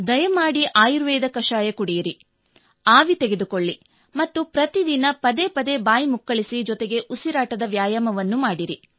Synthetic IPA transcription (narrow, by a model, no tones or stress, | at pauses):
d̪ɐjɐmaːɽiʔaːjuɾʋɛːd̪ɐkɐʂaːjɐkuɽijɐɾi | aːʋit̪eɡe̞d̪ukoɭːi | mɐt̪ːupɾɐt̪id̪inɐpɐd̪eːpɐd̪ebaːjimukːɐɭisid͡ʒɔt̪eɡe̞ʔusiɾaːʈɐd̪ɐʋjaːjɐmɐʋɐnːumaːɽiɾi